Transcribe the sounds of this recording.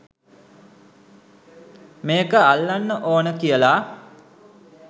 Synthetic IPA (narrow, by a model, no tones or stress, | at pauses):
meːkəalːanːəʔoːnəkijəla